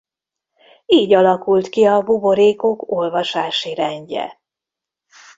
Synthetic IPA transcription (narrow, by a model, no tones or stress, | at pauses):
iːɟɒlɒkult̪kiɒbubo̞ɾeːkoko̞lvɒʃaːʃiɾɛɲɟɛ̰